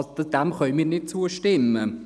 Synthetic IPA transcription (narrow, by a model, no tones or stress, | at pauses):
d̥æmχœlmiːnɪt̚t͡suːəʃtɪmə